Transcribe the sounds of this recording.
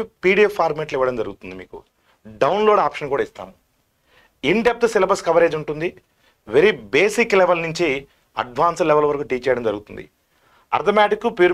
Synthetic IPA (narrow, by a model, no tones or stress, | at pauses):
piːɽijepʰaːɾmeːʈliʋɐɽɐmd͡ʒɐɾuɡut̪und̪imiːkṵ | ɖɐwnloːɖaːpʃɐnkuːɽaːist̪a̰ːmu | iɳɖep̚t̪usilɐbɐskɐʋɐɾeːd͡ʒuɳʈund̪i | ʋeɾibeːsikːlɛʋɐlnuɲt͡ʃi | ɐ̰ɖʋaːnslɛʋɐlʋɐɾɐkuːʈiːt͡ʃɛːjɐɽɐmd͡ʒɐɾuɡut̪und̪ḭ | ɐ̰ɾt̪omaːʈikːupuːɾ